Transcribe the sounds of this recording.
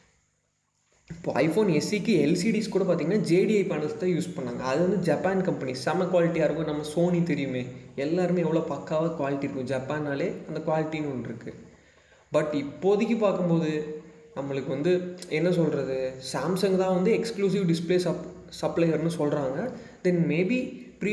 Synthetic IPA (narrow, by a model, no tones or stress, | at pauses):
ɪpːoːʔɐɪfoːnɛsikːɯɛlsiɖiːskuːɽɐpaːɾt̪iŋɐnːaːd͡ʒeːɖiɐɪpɐɳɐlst̪ãːjuːspɐɳːaːŋɡɐ̰ɐðɯʋɐnd̪ɯd͡ʒɐpaːnkɐmpɐnisɐmɐkʊʋaːlɪʈːiaːɾɯkʊ̃nɐmːɐsoːnit̪ɛɾɪjɯmeːɛlːaːɾɯmẽːɛʋːɐɭoːpɐkːaːʋɐkʋaːlɪʈːiɾɯkːʊ̃d͡ʒɐpaːnːaːleːɐnd̪ɐkʋaːlɪʈːinɯɔɳɖɪɾɯkːɯ | bɐʈːɪpːoːɐðɪkʲːɯpaːkɯmpoːðɯ | nɐmːɐɭɯkːɯʋɐnd̪ɯɛnːɐsɔlɾɐðɯsaːmsɐŋɡt̪ãːʋɐnd̪ɯɛkskluːs̬ɪʋɖɪspleːsɐ | sɐplɐɪɐɾnːɯsɔlrɾaːŋɡɐ | d̪ɛnmeːbi | pɪɾi